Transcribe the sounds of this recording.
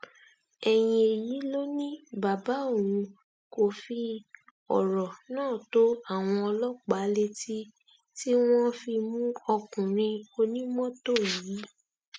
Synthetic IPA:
ɛ˨j̃ĩ˧e˨ji˨˦lo˦nĩ˦ba˨ba˨˦o˦˨ɾũ˧ | ko˨fi˧ | ɔ̰˨ɾɔ˨nãː˦˨to˦a˦˨w̃ɔ̃˧ɔ˧lɔ˦k͡pa˨˦le˧ti˦ | ti˦w̃ɔ̃˦fi˧mũ˦ɔ˧kũ˨ɾ̃ĩ˧o˧nĩ˦mɔ̃˦to˦˨ji˨˦

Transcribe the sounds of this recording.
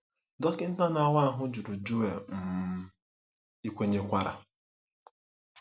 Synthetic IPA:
dɔ˦kɪ˦n̩˦ta˦na˨wa˦a˦ɦʊ˦d͡ʒu˨ɾu˨d͡ʒu˦e˨m̩˨m̩˦ | i˦kʷe˦ɲe˦kʷa˦ɾa̰˨

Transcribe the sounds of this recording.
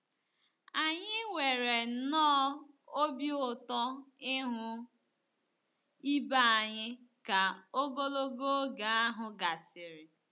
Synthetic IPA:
a˨ɲɪ˦ŋʷe˨ɾe˨nɔː˦ | o˦bjʊ˨tɔ˦ɪ˦ɦʊ˦ | i˦ba˦a˨ɲɪ˦ka˨o˦ɡo˦lo˦ɡo˦ɡa˨a˦ɦʊ˨ɡa˨sɪ˨ɾɪ˨

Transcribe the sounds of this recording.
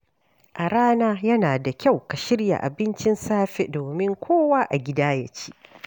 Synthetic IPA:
ʔa˨ɽaː˦naː˦jɐ˦naː˨da˨kʲa˦˨wka˨ʃɪ˦ɽja̰˨ʔa̰˨bɪ˦nt͡ʃɪ˦nsaː˦ɸḛ˦doː˨mɪ˦ŋkʷoː˦waː˦ʔa˨ɡʲɪ˦daː˦ja̰˦t͡ʃi̥ː˦ʔ

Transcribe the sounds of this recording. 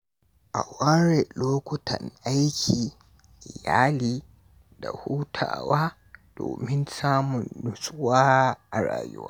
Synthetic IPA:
ʔa˨waː˦ɾe˨loː˦kʷʊ˦tʰɐ˨nʔa˦jkʲʰiː˨ | ʔɪ˨jaː˦liː˦˨ | da˨huː˦tʰa̰ː˨waː˦ | d̥oː˨mɪ˦nsaː˦mʊ˨nːʊ˦sʼʊ˦waː˦ʔa˨ɾa̰ː˨jʊ˦wa̰ː˦

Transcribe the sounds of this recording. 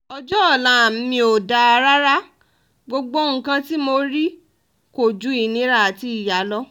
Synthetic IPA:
ɔ˧d͡ʒɔ˦ɔ˦˨lã˨˦˨m̩˦mĩ˧o˨da˨a˧ɾa˦ɾa˦ | ɡ͡bo˧ɡ͡bo˦ŋ̩˦kã˧ti˦mo˧ɾi˦ | ko˨d͡ʒu˨˦i˦˨nĩ˨˦ɾa˦˨a˨ti˧˦i˨ja˨˦lɔ˦

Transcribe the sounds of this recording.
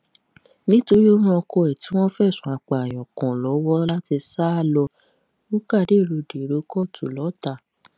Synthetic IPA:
nĩ˦to˧ɾi˦o˦ɾ̃ũ˦ɔ˧kɔ˧ɛ˨ti˨˦w̃ɔ̃˦fɛ˦˨sũ˨˦a˨k͡pa˨j̃ɔ̃˨kɔ̃˨lɔ˨˦wɔ˦la˦ti˧sa˦a˦˨lɔ˧ | u˦ka˦˨de˦˨ɾo˧de˨ɾo˧˦kɔ˦˨tʰu˨lɔ˨˦ta˦˨

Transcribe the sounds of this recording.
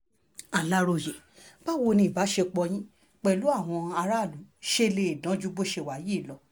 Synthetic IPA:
a˨la˦ɾo˧˨je˨ | ba˦wo˧nĩ˧˨ba˨˦ʃe˧k͡pɔ˧j̃ĩ˦ | k͡pɛ˨lu˨˦a˦˨w̃ɔ̃˧a˧ɾa˦˨lu˨˦ʃe˦˧le˧˨e˨dã˨˦d͡ʒu˦bo˦ʃe˧˨wa˨˦˨ji˨˦˨lɔ˨˧˦

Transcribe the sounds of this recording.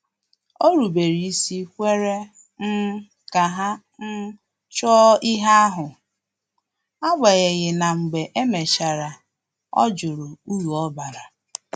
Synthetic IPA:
o˦ɾu˨be˨ɾi˨i˦si˦kʷe˦ɾe˦ | n̩˦ | ka˨ɦa˦ | n̩˦ | t͡ʃɔ˦ɪ˦ɦa˦a˦ɦʊ˨ | a˦ɡ͡be˨ɣɪ˨ɣɪ˨na˨ŋ͡m̩˨ɡ͡be˨ʔe˦me˨ʃa˨ɾa˨ | ɔ̰˦d͡ʒʊ˨ɾʊ˨u˦wu˨ɔ˦ba˨ɾa˨

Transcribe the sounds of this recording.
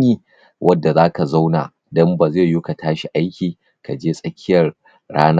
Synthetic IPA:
niː˦ | wʔɐ˦dːa˨zaː˦ka˨za˦wna̰˨ | dɔ˦mba˨zeː˦˨ju˦ka˨taː˦ʃi˨ʔa˦jkʲiː˨ | ka˨d͡ʒeː˦sʼɐ˦kʲʰɪ˦jɐ˨r | ɽaː˦na˦

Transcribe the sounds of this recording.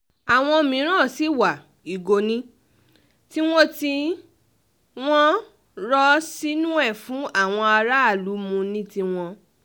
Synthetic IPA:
a˨w̃ɔ̃˧mĩ˨˦ɾ̃ã˦˨si˨˦˨wa˨ | i˨ɡo˧nĩ˦ | ti˦w̃ɔ̃˦ti˧ | w̃ɔ̃˦ | ɾɔ˦si˦nũ˦ɛ˦˨fũ˨˦a˦˨w̃ɔ̃˧a˧ɾa˦a˦˨lu˨˦mũ˧nĩ˦ti˧w̃ɔ̃˧

